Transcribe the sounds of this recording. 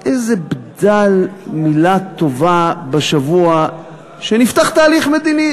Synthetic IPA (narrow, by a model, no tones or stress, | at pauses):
ʔejzebd̪almilat̪o̞vabeʃavua | ʃenift̪aχt̪aːliχme̞d̪ini